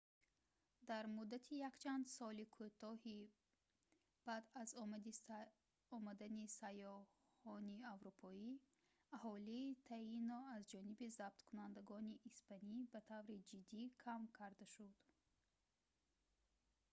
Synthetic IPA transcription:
d̪aɾmud̪ːat̪ʰijakt͡ʃʰand̪sɔlikʰut̪ɔhi | b̥ad̪azi | ɔmad̪anisajɔ | hɔniavɾupʰɔi | aɦɔliːt̪ʰainɔazd͡ʒɔnibizab̥̚t̪kʰunand̪aɡɔniʔːspanibat̪ʰavɾid͡ʒid̪ːikʰamkʰaɾd̪aʃud̪̥

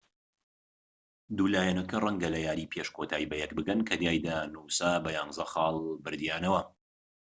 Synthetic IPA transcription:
d̪uːlaːjɛnɐkɐrɐŋɡɐlɐjaːɾiːpʰeʃkʰoːt̪ʰaːibɐjɛk̚bɨɡɐnkʰɐd̪jaːjd̪anuwsaːbɐjaːŋzɐxɑːlˠbɨɾd̪jaːnɐwɐ

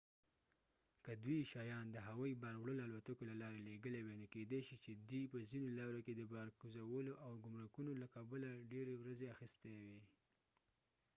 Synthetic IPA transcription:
kəd̪wiʃɑjɑnd̪əɦawɑjibaɾwɽəloalwat̪əkolalɑɾeleɡəlewenoked̪eʃit͡ʃed̪ijpəzinolɑɾoked̪əbɑɾɡuzawəloʔawɡʊmɾakunolakabalaɖeɾewɾazeaxist̪ewe

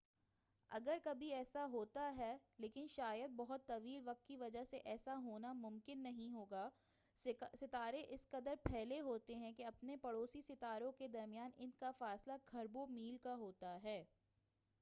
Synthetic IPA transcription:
ɐ̰ɡəɾkɐbʱiɛːsaɦoːt̪aɦɛleːkɪnʃaːjəd̪̚bɐɦʊt̪ːɐʋiːlʋɐk̚t̪̚kiʋɐd͡ʒəɦseʔɛːsaɦoːnamʊ̃mkɪnːɐɦĩɦoːɡaː | sɪt̪aːɾeʔɪskɐd̪əɾpʰɛːleɦoːt̪eɦɛ̃keɐpnepɐɽoːsisɪt̪aːɾõked̪ɐɾmɪjaːnɪnkafaːslakʰɐɾbomiːlkaɦoːt̪aɦɛː

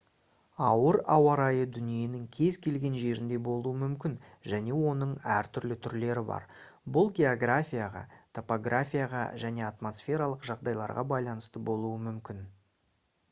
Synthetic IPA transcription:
ɑwəɾɑwɑɾɑjəd̪ʏnije̞nɪŋkʲʰe̞zkʲʰe̞lɡʲe̞nʒe̞ɾɪnd̪e̞bo̞lˠuəmʏmkʲɪnʒæne̞wo̞nəɴæɾt̪ʰʏɾlɪt̪ʰʏɾle̞ɾɪbɑ̰ɾ | bʊlˠɡʲe̞oɡrafʲijaʁɑ̰t̪ʰo̞poɡrafʲijaʁɑ̰ʒæne̞at̪mo̞sfʲe̞ɾalˠəqʒɑʁd̪ɑjlˠɑ̰ɾʁɑbɑjlˠɑnəst̪əbo̞lˠuəmʏmkʲɪn

